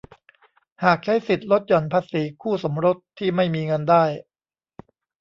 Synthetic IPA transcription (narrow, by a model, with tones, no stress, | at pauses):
haː˨˩k̚t͡ɕʰa˦˥jsi˨˩t̪̚lo˦˥t̪̚jɔ˨˩npʰaː˧siː˩˦kʰuː˥˩so˩˦mɾo˦˥t̪ʰːiː˥˩ma˥˩jmiː˧ŋɤ˧ndaː˥˩j